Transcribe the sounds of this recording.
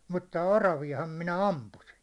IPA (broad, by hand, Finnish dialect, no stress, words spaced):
mutːɑ orɑʋiɑhɑm minæ ɑmpusin̞